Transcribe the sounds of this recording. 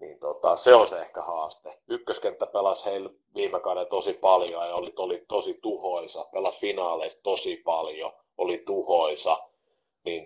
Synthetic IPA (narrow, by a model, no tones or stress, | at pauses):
niːnt̪ot̪ɑ̰seonsehkæhɑːst̪eykːøskent̪ːæpelɑsheil | ʋiːmekɑuɾet̪osipɑljojɑolit̪olit̪osit̪uhoisɑpelɑsfinɑːleist̪osipɑljo̰ | olit̪uhoisɑ | niːn